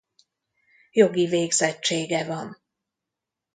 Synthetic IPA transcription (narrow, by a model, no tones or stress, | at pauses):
jo̞ɡiveːɡzɛt͡ʃːeːɡɛvɒn